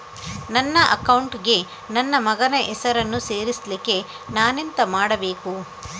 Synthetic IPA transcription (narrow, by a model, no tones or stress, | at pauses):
nɐnːɐʔɐkɐwɳʈɡe̞ | nɐnːɐmɐɡɐnɐʔɛsɐɾɐnːuse̞ːɾislikːe̞ | naːnent̪ɐmaːɽɐbe̞ːku